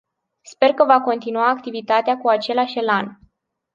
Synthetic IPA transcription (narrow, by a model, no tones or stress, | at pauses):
spe̞rkəvako̞nt̪inuaːkt̪ivit̪at̪eakuat͡ʃe̞laʃʲelan